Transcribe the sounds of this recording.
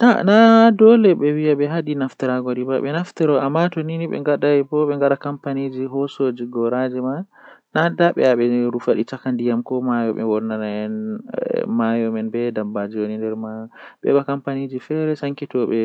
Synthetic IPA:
tanadɔlɛɓɛwiaɓɛɦaɗinaftɛɾaɡɔɾibaɓɛnaftɛɾɔamːatoniniɓɛ̰ŋɡaɗaɛbɔɓɛŋɡaɗakampanid͡ʒiɦɔsod͡ʒiɡɔɾad͡ʒima | nadaɓɛ̰aɓɛɾufaɗit͡ʃakandijamkɔmajɔɓɛ̰wɔnːanaɛn | majɔmɛnbɛdabad͡ʒiwonindɛɾmaɓɛ̰ɓakampanid͡ʒifɛɾɛsaŋkitɔɓɛ

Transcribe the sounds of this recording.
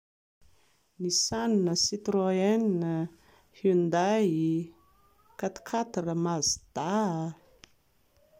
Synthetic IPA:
nisanunəsit̪ɾoɛnnə | hund̪ai | kat̪ḁkʰat̪arəmazid̪̥aa

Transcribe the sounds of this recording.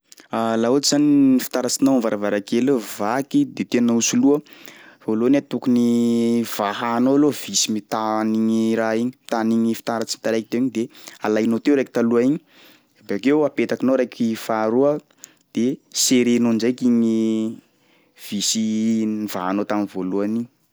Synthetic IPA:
alaod͡ʒzaninifi̥t̪aɾat͡sinoamvaɾavaɾakeluvakid̪et̪ennausuluəfolonat̪ukuniv̥aɦanolov̥isimit̪aniɲiɾaiɲimt̪aniɲifi̥t̪aɾat͡simit̪aɾajkit̪ewiɲid̪ealajnot̪ewɾajki̥t̪aluaiɲi̥ | bakewapet̪akinoɾajkifaɾuə | d̪̥eseɾenond͡ʒajkiɲi | v̥isinivaɦanot̪aminvoluaniɲi

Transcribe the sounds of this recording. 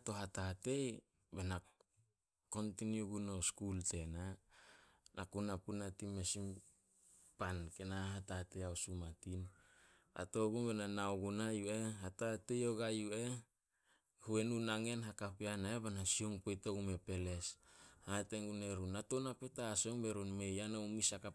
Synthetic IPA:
ato̞ɦatate̞j | bena | ko̞ntinioɡuno̞skulte̞na | nakunapunatimesim | pankenaɦatate̞jaosumatin | a̰to̞ɡumbenanaoɡunajueɦatatejoɡajue | hue̞nunaŋe̞nɦakapianaebanasioŋpojtoɡume̞pe̞le̞shate̞ŋɡune̞ɾunato̞napetasoŋbe̞ɾonme̞janaumisaka

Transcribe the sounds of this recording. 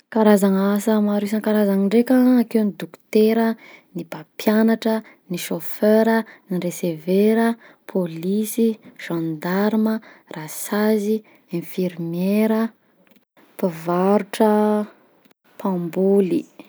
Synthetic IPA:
kaɾazaŋasəmaɾis̬aŋkaɾazaŋiɳɖ͡ʐekaakewnid̪uku̥t̪eɾənibapjanaʈ͡ʂə | niʃofeɾənireseveɾə | pʰolisiʒ̥ãnd̪aɾumərasazi | ẽfiɾmeɾə | pəvaɾuʈ͡ʂə | pʰãmbuli

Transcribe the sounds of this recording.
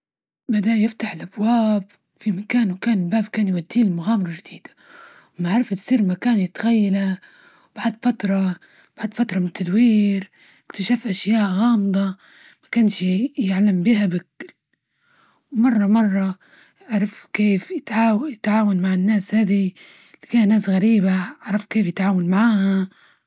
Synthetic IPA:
bad̪ajɪft̪aħɪlʔabwaːb̚ | fimakaːnwkaːnɪlbaːbkaːnjwad̪ːiːlmʊɣaːmɪɾˤɑʒd̪iːd̪̥ḁ | wmaʕaɾˤɑft̪sˤiːɾmakaːnjɪt̪ɣajːala | wb̥aʕd̪fat̪ɾˤɑ | baʕd̪fat̪ɾˤɑmɪnɪt̪ʰːad̪wiːɾ | ʔɪkt̪aʃafʔaʃjaːʔɣɑːmd̪ˤɑ | makaːnʃjaʕlambiːhabɪkl | wmɑrˤːɑmɑrˤːɑ | ʕaɾˤɑfkeːfjɪt̪ʕaːwjɪt̪ʕaːwanmaʕɪnːaːshaːði | kaːhnːaːsɣaɾiːbaʕaʕɾˤɑfkeːfjɪt̪ʕaːwanmaʕaːha

